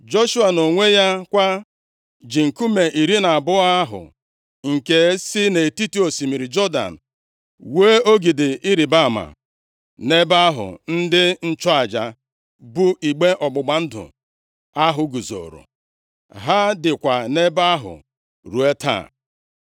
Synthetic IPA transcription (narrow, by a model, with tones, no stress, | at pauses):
d͡ʒo˦ʃu˦a˨no˨ŋʷe˦ja˦kʷa˦ | d͡ʒi˨ŋ̩˨ku˦me˨ʔi˨ɾi˦na˨a˨bʊ˦a˦ɦʊ̰˨ | ŋ̩˨ke˨˦sɪ˦ne˨ti˦ti˦o˨si˨mi˨ɾi˨d͡ʒɔ˦da̰˨n̩˨ | weː˦o˦ɡi˨dɪ˨ʔi˦ɾi˨ba˦˨ma̰˨ | ne˦ba˦ɦʊ̰˨n̩˦dɪ˦n̩˦t͡ʃɔ˦a˨d͡ʒa˨ | bʊ˦ʔi˨ɡ͡be˦ʔɔ˨ɡ͡bʊ˨ɡ͡ba˨n̩˦dʊ̰˨ | a˦ɦʊ˨ɡu˨zo̰˨ɾʊ̰˨ | ɦa˦dɪ˨kʷa˨ne˦ba˦ɦʊ̰˨ | ɾu˨e˦tʰa̰ː˦˨